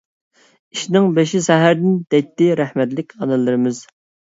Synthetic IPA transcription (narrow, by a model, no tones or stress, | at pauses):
iʃnɪŋbeʃisɛɦæɾd̪ɪnd̪̥ɛt̪ːɪɾæhmɛt̪lɪkʲʰɑnɨlˠːɨɾɨmɪz